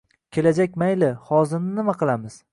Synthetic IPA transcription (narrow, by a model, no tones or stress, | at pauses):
kʲʰe̞lad͡ʒakʲmajlɪhɒzɪɾnɪnɪmaqʰɨlˠamɪz̥